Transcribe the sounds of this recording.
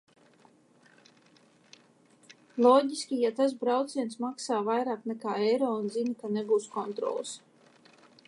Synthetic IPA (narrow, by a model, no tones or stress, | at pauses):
lˠɔːɟʲisʲkʲijat̪as̬bɾawt̪siɛnsmaksaːvajɾaːknɛkaːɛjɾoːunzinikaneɡuːskɔnt̪ɾɔ̰ːlˠɨs